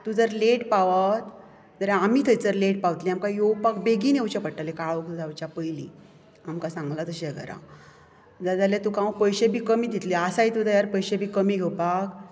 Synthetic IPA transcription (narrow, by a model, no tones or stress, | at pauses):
t̪ud͡zəɾleʈpaʋət̪ | d͡zəɾaamiːt̪ʰəjt͡səɾleʈpawt̪liamkajowpakbeɡiːnewt͡ɕapəɽʈːalekaʋək̪d͡zawt͡ɕjapəjli | amkasãŋɡlat̪əɕeɡə̰ɾa̰ | d͡zad̪alet̪ukãwpəjɕebʱiːkəmiːd̪it̪liasajt̪ud̪əjaɾpəjɕebʱiːkəmiːɡʱewpak